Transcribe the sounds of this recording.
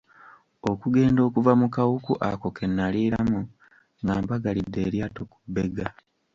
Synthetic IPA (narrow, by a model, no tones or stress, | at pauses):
o̞kuɡe̞ːndo̞ːkuvamukawukuʔako̞ke̞nːaliːɾamu | ŋɡaːmbaɡalidːe̞ːɾjaːto̞ku̥bːe̞ɡa